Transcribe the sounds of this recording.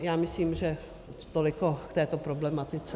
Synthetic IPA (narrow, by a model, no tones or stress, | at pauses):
jaːmɪsliːmʒɛ | t̪olɪkokt̪ɛːt̪opɾoblɛmat̪ɪt͡sɛ